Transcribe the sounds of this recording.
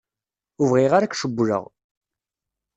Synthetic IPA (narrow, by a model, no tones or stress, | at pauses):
ʊvʁiʁaɾakʃəbːɾə̰ʁ